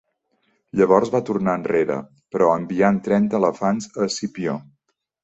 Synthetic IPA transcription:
ʎəβ̞ɔɾzβat̪urnaənreɾə̰ | pɾɔəmbiant̪ɾɛnt̪əːləfanzəsipio

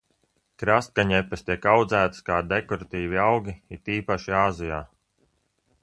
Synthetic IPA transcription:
kɾast̪̚ɡaɲɛpːɛst̪ʲiɛkawd̪zæːt̪skaːd̪ekɔɾat̪iːviawɡʲiit̪iːpaʃiaːzijaː

